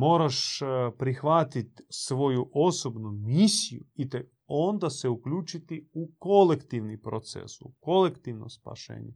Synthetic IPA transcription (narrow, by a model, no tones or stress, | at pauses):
mo̞ːɾaʃpɾixʋat̪it̪sʋo̞juʔo̞so̞bnumisijṵit̪e | ond̪aseuklʎuːt͡ʃit̪iuko̞lekt̪iʋnipɾot̪sḛsuko̞lekt̪iʋnomspa̰ʃḛːɲe